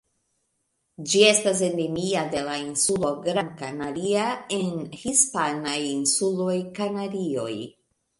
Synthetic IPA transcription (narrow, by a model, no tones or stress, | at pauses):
d͡ʒie̞stas̬e̞nemiade̞lainsulo̞ɡɾaŋkanaɾiae̞nhispanajinsulo̞jkanadio̞̰j